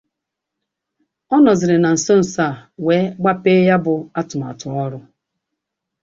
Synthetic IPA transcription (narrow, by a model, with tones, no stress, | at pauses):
ɔ˦nɔ˨zɪ˨ɾɪ˨na˨n̩˨so˦n̩˨sa˦˨we˨˦ɡ͡ba˦pe˦ja˦bʊ˨a˦tʊ˨m˨a̰˨tʊ˨ɔ˦ɾʊ˦